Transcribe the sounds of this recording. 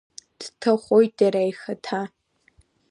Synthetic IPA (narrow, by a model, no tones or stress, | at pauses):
d̥tʰaχʷojt̚ʼaɾajxatʰa